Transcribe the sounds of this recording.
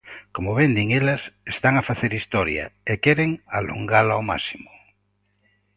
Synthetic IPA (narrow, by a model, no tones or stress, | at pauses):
komoβend̪iŋelasest̪aŋafaθeɾist̪ɔɾja̰ekeɾeŋa̰lo̰ŋɡalaoma̰simo̥